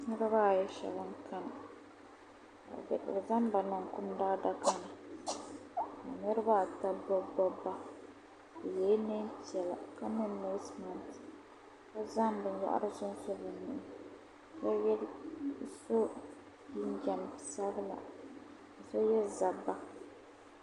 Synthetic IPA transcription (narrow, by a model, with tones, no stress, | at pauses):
nɛ˦ɾɨ˦ba˦˨jɛ˦ʃa̰˨bɨ˦ŋkʰa˦n˨ | a̰˨bɛ̰˨ʔza˦nba˨na˨ŋkʊ˦mda˦da˦ka˦nɨ˨ | a̰˨nɛ˦ɾɨ˦ba˦˨ta˦bɔ˦bɔ˦bːa˦ | ba˨jɛː˨˦ne˦ti˨˦ɛ˨la̰˨ka˦nɨ˦no˨˦sma˨nt | ka˦za˦nbɨ˨nja̰˦ʔa̰˦ɾɨ˦zʊ˦n˦so˦bɨ˨nɪ˨ɪ˦ | ka˦jɛ˦l | so˦ | ji˦n˦d͡ʒa˨n˨sa˦bɨ˦la̰˨ | sɔ˦jɛ˦lza˨bːa˦